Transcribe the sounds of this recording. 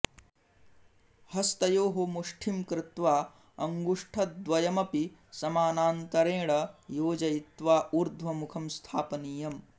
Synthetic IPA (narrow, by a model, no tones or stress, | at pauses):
hɐst̪ɐjoːɦomuʂʈʰimkɾɪt̪ʋaː | ɐŋɡuʂʈʰɐt̪̚d̪ʋɐjɐmɐpisɐmaːnaːnt̪ɐɾeːɽɐjoːd͡ʒɐjit̪ʋaːʔuɾd̪ʱʋɐmukʰɐmst̪ʰaːpɐniːjɐm